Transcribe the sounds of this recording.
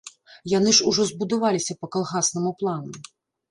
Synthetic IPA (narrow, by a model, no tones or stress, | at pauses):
janɨʂuʐɔzbud̪avalʲisʲɐpɐkɐlˠɣasnɨmuplˠanɐ